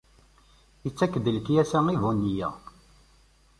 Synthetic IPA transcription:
ət͡sːækːd̪əlkjæsæŋivunːijæ̰

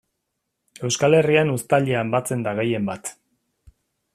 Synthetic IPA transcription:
e̞wskale̞rianust̪aʎeambat͡se̞nd̪aɣ̞e̞je̞mbat̪

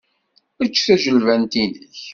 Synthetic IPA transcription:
ət͡ʃːθæʒəlvænt̪inəç

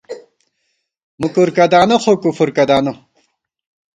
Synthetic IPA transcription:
mukuɾkɐd̪aːnɐχokufuɾkɐd̪aːnu

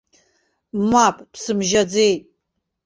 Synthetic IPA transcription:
mapʰʼtʰsɨmʒɐd͡zejtʼ

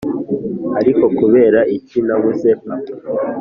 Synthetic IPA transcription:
aɾiko̞kuβe̞ːɾaʔicinaβuse̞pa

